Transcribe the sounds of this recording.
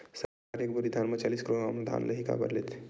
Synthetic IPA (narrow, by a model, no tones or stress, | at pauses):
səɾkaɾek̚buɾid̪ʱanmet͡ʃaliskiɾoamd̪ʱa̰nləɦika̰bə̰ɾlet̪ʰ